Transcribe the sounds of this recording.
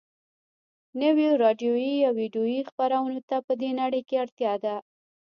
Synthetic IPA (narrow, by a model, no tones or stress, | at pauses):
nəwjoɾɑɖijojiɑwiɖjojixpaɾawənot̪apəd̪enaɽəjkeaɽt̪jɑd̪a